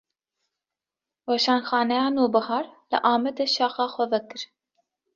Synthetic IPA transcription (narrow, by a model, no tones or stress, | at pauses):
wɛʃɑːnxɑːnɛjɑːnoːbɨhɑːɾlɨ̰ʔɑːmɛd̪eʃɑːxɑːxʷɛvɛkɨɾ